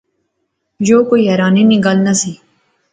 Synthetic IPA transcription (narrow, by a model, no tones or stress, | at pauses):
joːkoiɦɛɾaːniniɡalnɐsiː